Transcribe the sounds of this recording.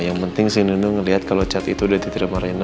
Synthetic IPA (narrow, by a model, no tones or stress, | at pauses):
jaŋpənt̪ɪŋsininuŋəliɦat̪̚kalot͡ʃat̪it̪udat̪it̪ɾimaɾena